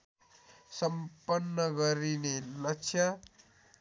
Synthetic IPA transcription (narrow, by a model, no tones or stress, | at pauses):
sʌmpʌnːʌɡʌɾinelʌkt͡sʰjʌ